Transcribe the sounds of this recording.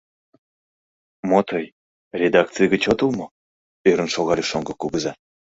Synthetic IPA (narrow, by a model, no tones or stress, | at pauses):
mot̪ʰɤj | rʲed̪ɑk̪̚t͡sɨjɡət͡ɕot̪əlmŏ | eɾə̆nʃoɣɑɾʲiʃoŋɡɤ̆kuɣəzɑ